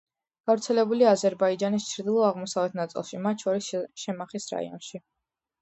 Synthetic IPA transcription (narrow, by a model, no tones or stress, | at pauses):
ɡ̥avɾt̪sʰɛlɛbuliazɛɾbaid͡ʒanist͡ʃʰɾd̪ilˠɔaʁmɔsavɛt̪ʰnat̪sʼḭlˠʃimat̪ʰʃʰɔɾisʃɛmaχisɾa̰ḭɔ̰nʃi